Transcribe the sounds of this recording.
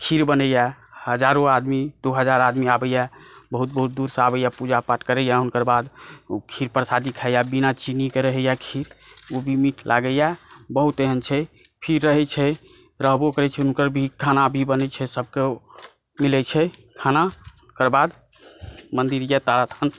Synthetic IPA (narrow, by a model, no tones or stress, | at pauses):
kʰiɾbənəjahəd͡ʒaɾoad̪mid̪oɦəd͡ʒaɾad̪miabəjabəɦut̪̚bəɦut̪̚d̪uɾsəabəjapud͡ʒapaʈkəɾɛjaunkəɾbad̪kʰiɾpəɾsad̪ikʰajabinat͡ʃinikeɾəɦɛjakʰiɾobʱimiʈlʔa̰ɡəjabəɦut̪eɦənt͡ʃʰɛpʰiɾːəɦɛt͡ʃʰɛ | ɾəɦbokəɾɛt͡ʃʰɛunkəɾbʱikʰanabʱibənɛt͡ʃʰɛsəb̚ke | milɛt͡ʃʰɛkʰanaunkəɾbad̪ | mənd̪iɾjat̪aɾat̪ʰan